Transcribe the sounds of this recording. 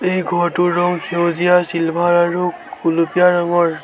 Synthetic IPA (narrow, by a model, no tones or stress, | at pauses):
ejɡʱɔɹtʊɹːɔŋkʰewzijasilbʱaɹaɹuulupijaɹaŋɔɹ